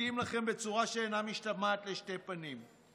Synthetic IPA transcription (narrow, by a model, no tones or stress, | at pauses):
imlaχɛmbet͡suʁaʃeːnamiʃtamaːt̪leʃtepʼanim